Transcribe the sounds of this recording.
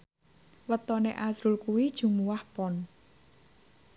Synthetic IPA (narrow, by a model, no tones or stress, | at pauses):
ʋət̪ːɔːnɛ̆əʔaːsrulkuit͡ɕuŋmuəhpon